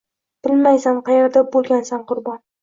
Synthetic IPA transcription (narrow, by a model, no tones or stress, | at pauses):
b̥ɪlmajsanqʰɑjeɾd̪ap̚bolˠɡʲansanqʰʊɾbɒn